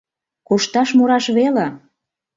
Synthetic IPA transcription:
koʃt̪ɑʃmoɾɑʃβele

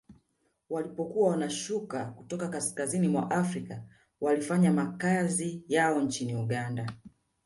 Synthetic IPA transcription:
walipɔkuawanaʃukakutɔkakaskazinimwaʔafɾika | walifaɲamakazijaɔnt͡ʃiniuɠanda

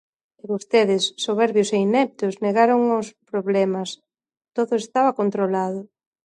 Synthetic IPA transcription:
eβost̪eðɪsːoβɛɾβjʊseinɛp̚t̪ʊzneɣaɾoŋʊspɾoβlɛmɐs | t̪oðʊest̪aβɐkont̪ɾolaðʊ

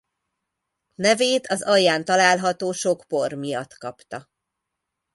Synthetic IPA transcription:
nɛveːt̪ʰɒzɒjːaːnt̪ɒlaːlɦɒt̪oːʃokpo̞rmijɒt̪kɒpt̪ɒ

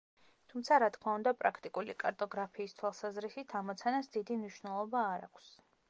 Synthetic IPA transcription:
t̪ʰumt̪sʰaɾat̪ʰkʰmaund̪apʼɾakʰt̪ʼikʼulḭkʼaɾt̪ʼɔɡɾapʰiːst̪ʰwalˠsazɾisit̪ʰamɔt̪sʰanasd̪id̪imniʃwnɛlˠɔbaːɾa̰kʷʰs

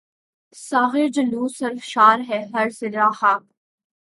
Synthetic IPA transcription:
saːɣɪɾd͡ʒɐluːsɐɾfʃaːɾɦɛɦɐɾsɪɾaːhaː

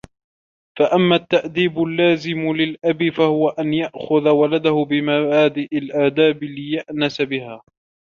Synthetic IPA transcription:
faʔamːat̪ːaʔd̪iːbʊlːaːzɪmlɪlʔabifahʊwaʔanjaʔxʊðawalad̪ahʊbɪmabaːd̪ɪʔɪlʔaːd̪aːblɪjaʔnasabɪhaː

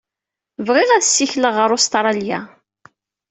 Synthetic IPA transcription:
vʁɪʁæðsːiçləʁəɾʊst̪ɾˤɑlja

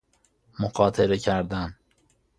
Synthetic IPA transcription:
moɢɒːt̪ʰeɾecʰæɾd̪æn

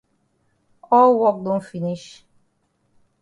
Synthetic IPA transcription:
ɔlwɔk̚d̪õnfiniʃ

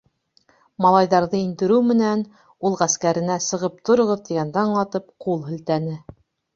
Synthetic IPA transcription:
mɑlˠɑjðɑɾðɤind̪ɘ̆ɾɘwmɘ̆næn | ulˠʁæskæɾɘ̆næsɤ̆ʁɤp̚t̪ʰŏɾŏʁɤðt̪iɡænd̪æɴlɑt̪ɤp̚qulˠɦɵ̆lt̪ænɘ

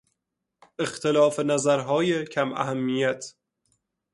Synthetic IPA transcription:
ʔe̞xt̪ʰelɒːfenæzæɾɦɒːjecʰæmʔæ̰ɦæmːijæt̪ʰ

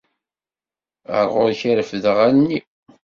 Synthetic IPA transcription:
ə̰ɾˤʁʊɾçəɾəfðəʁælni

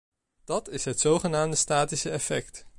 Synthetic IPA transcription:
d̥ɑtɪsɦətsowχənaːmdəstaːtisəɛfɛkt

